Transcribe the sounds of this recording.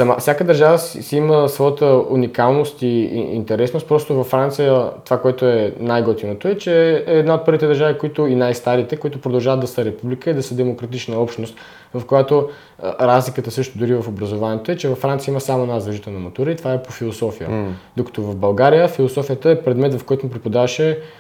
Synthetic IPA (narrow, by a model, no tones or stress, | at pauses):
sɐma̰fsʲjakəd̪əɾʒavəssiiməsvɔjət̪əunikalˠnost̪iḭnt̪ɛɾɛsnost̪̚pɾɔst̪ovɐfːɾant̪sijət̪ovakoɛt̪oɛnajɡot̪inot̪oɛt͡ʃɛːd̪naot̪̚pɤɾvit̪ɛd̪əɾʒavikoit̪ʊinajst̪aɾit̪ɛkoit̪ʊpɾod̪ɐlˠʒavət̪d̪ɐsəɾɛpublikəid̪ɐsəd̪ɛmokɾɐt̪it͡ʃnəɔpʃt̪nost̪ | vɐfkojat̪o | ɾazlikət̪əsɤʃt̪od̪uɾivɐfobɾɐzovaniɛt̪oɛt͡ʃɛvɐfːɾant̪siəiməsamoɛnazvɐʒit̪ɛlˠnɐmɐt̪uɾəit̪ovaɛpofilˠosɔfijə̰d̪okɐ̥t̪ovɐvbɐlˠɡaɾijəfilˠosɔfijət̪əɛpɾɛd̪mɛt̪vɐfkɔjt̪omipɾipod̪avɐʃɛ